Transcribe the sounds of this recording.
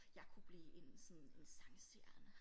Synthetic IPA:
jɑ̈ɪkʰub̥liːʔe̝nsɔn̩e̝nsɑ̈ŋseɐ̰nə

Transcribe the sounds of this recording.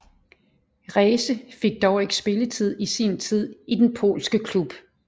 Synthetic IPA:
ʁɛːsəfe̝ɡ̥̚d̥ɒʊeɡ̥sb̥e̝lət͡sʰið̞̰ˠisint͡sʰið̞̰ˠid̥enpʰo̝̰ːlsɡ̥əkʰlub̥

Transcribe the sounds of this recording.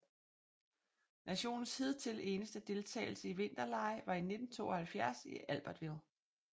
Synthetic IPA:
nʔæɕo̝̰ːnn̩shið̞̰ˠt͡sʰe̝le̝ːnəsd̥əd̥e̝lt͡sʰɛ̰ːɪl̩səiʋe̝n̰d̥ɐlɑ̈ɪʋɑ̈ine̝d̥n̩t͡sʰo̝̰ːɒhælfjæɐsḭʔælb̥ɐd̥ʋe̝ðˠ

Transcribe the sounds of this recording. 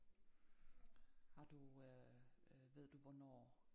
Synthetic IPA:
hɑ̈d̥u | ʋe̝ð̰ˠd̥uʋɒnɒ̰ː

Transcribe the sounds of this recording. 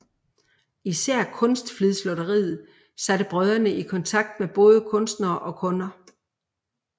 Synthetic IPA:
isæɐ̰kʰɔ̽nsd̥fliðˠslɔ̽ɾəʁḭːð̩ˠ | sæɾ̥əb̥ʁœð̞ˠɐnəʔikʰɒ̽nt͡sʰɑ̈ɡ̥̚d̥meb̥ɔ̽ːð̞ˠəkʰɔ̽nsd̥nɐːʔɒ̽kʰɔ̽nɐ

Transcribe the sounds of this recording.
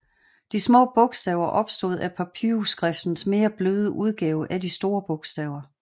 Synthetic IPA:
d̥ismɔ̰ːb̥ɔ̽ɡ̥sd̥ɛʊɐʔɒ̽b̥sd̥o̝ð̞ˠæpʰæpʰiusɡ̥ʁɛfd̥n̩sme̝ːɐb̥løːð̞ˠəʔuð̞ˠɡ̥ɛːʊʔæd̥isd̥o̝ːɐb̥ɔ̽ɡ̥sd̥ɛʊɐ

